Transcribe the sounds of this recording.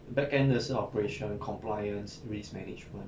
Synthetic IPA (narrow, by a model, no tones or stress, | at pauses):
bɛkɛ̃ndəsəɔpəɹeʃɔ̃nkʰɔ̃mplajə̃nsɹismɛ̰nid͡ʒmə̃n